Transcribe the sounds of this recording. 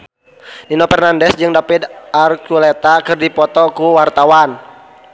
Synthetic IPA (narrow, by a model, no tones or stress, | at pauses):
dinɔpɛrnandɛsd͡ʒɨŋdapid̪arkulɛt̪akɨrdipɔt̪ɔkuwart̪awan